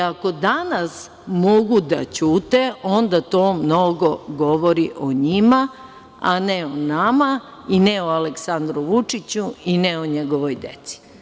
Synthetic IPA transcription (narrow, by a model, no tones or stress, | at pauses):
ako̞d̪anas | mo̞ɡud̪a̰t͡ɕuːt̪eo̞nd̪at̪o̞ːmno̞ɡo̞ɡo̞ʋoɾiʔoɲima | a̰neonama | inɛoaleksand̪ɾuʋut͡ʂit͡ɕuinɛoɲeɡo̞ʋojd̪ḛt̪si̥